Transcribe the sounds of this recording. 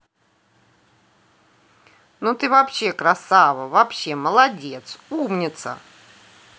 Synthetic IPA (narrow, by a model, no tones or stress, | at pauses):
not̪ɨvɐpɕːekɾɐsavəvɐpɕːeməlˠɐdʲet̪sumnʲɪt̪sə̰